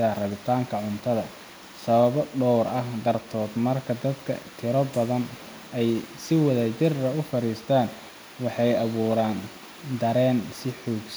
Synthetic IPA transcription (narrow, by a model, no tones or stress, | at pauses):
ɐrɐβɪt̪ʰaːŋkʰɐʕʊnt̪ʰɐðɐ | sɐβɐβɔɖɔwrʔɐhd̪ɐrt̪ʰɔːd̪mɐrkʰɐd̪ɐd̪kʰɐ̰t̪ʰɪɾɔbɐðɐn | ɛjsɪwɐðɐt͡ʃɪrɐʊfɐɾiːst̪ʰaːn | wɑħɑjɐβuːɾaːn | d̪ɐɾɛːnsɪħuːɡs